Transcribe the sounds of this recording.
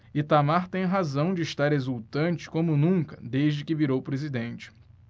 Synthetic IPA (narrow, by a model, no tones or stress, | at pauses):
ɪt̪amaɾt̪ẽj̃ɦazɐ̃w̃d͡ʒɪːʃt̪aɾezuwt̪ɐ̃nt͡ʃɪ̥kõmʊnũkɐd̪eʒd͡ʒɪkɪviɾowpɾezid̪ẽnt͡ʃɪ̥